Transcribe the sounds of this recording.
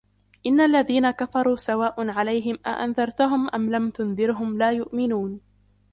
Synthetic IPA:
ʔɪnːalːaðiːnakafɑɾˤuːsawaːʔʊnʕalajɦɪmʔa̰ʔa̰nðɑɾˤt̪ʊɦʊmʔamlamt̪ʊnðɪɾɦʊmlaːjʊʔmɪnuːn

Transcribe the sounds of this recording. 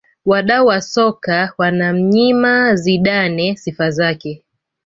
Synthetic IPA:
waɗauwasɔkawanam̩ɲimaziɗanɛsifazakɛ

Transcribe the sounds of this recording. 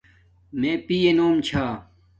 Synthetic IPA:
mẽːpijenoːmt͡ɕʰaː

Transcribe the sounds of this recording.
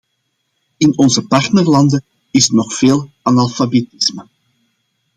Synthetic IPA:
ɪnɔnzəpɑrtnərlɑndə | ɪsnɔχfeːlˠ | ɑnɑlˠfabetɪsmə

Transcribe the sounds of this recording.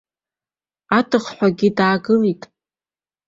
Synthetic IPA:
atʰɨχħʷᶣaɡʲidaːɡɨlitʼ

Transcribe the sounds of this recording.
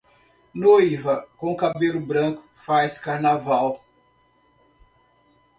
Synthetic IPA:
nojivɐkõkabelʊbɾɐ̃kʊ̥fajskaɾnavaw

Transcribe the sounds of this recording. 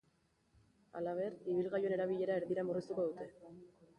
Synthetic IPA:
a̰laβe̞riβilɣajoe̞ne̞ɾaβiʎe̞ɾae̞ɾðiɾamurist̪uko̞ðut̪e̞

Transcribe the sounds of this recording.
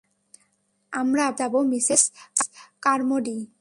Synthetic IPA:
amɾabd̪abomisiskkaɾmoɖi

